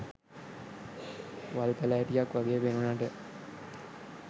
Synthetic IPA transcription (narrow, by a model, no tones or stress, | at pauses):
ʋalp̪əlajʈijakʋaɡejəpenunaːʈə